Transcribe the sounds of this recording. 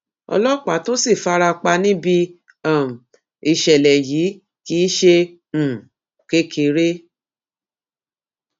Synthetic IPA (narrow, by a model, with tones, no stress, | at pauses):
ɔ̰˧lɔ˦˨k͡pa˨˦to˦si˦˨fa˦ɾa˧k͡pa˧nĩ˦bi˧ | a˦˨m̩˨ | i˨˧ʃɛ˨lɛ˨ji˨˦ | ki˦ʃẽ˧˨ | ke˦kʰe˧˦ɾe˦